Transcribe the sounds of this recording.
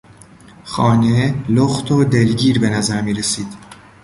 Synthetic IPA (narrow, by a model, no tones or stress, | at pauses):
xɒːneloxt̪ʰod̪e̞lɟiːɾbe̞næzæɾmiːɾe̞siːd̪̥